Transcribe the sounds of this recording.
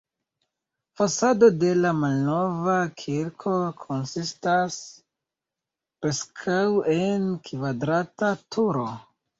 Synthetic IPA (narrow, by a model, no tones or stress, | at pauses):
fasado̞de̞lamalno̞vakʰiɾkʰo̞kʰo̞nsistas | pɾe̞skʰawe̞nkvadɾatatʰuɾo